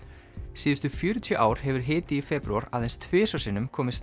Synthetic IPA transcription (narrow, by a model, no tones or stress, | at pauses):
siːðʏst̪ʏfjœːɾʏt̪ʰjœʔaːwɾ̥hɛvʏɾ̥ɦɪːt̪ɪifɛːpɾuaɾa̰ðejnst̪ʰvɪːsasɪnːʏmkʰɔːmɪ̥s